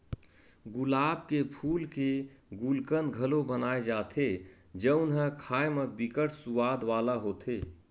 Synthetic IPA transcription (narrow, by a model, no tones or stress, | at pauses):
ɡʊlaːb̚kepʰuːlkeɡulkənɡʱəlobənaːed͡ʒaːt̪ʰe | d͡ʒəʊnɦəkʰaːemebikəʈʰsuwaːd̪ʋaːlaɦoːt̪ʰeː